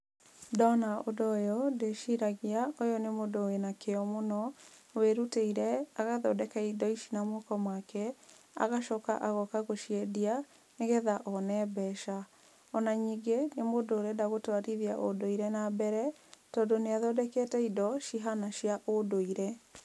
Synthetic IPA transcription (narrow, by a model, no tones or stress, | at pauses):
dɔnaodojɔdeʃiɾaɣiaojɔnemodowenakeɔmonɔweɾuteiɾɛaɣaðɔdɛkaidɔiʃi̥namokɔmwakɛ | a̰ɣaʃɔka̰ʔaɣɔkaɣoʃiɛdia | neɣɛðaʔɔnɛbɛʃa | ɔnaɲiːɡenemodoːɾɛdaɣotwaɾiðiaʔodoiɾɛnabɛɾɛ | tɔdoneaðɔdɛkɛtɛidɔʃiɦanaʃjaʔodoiɾɛ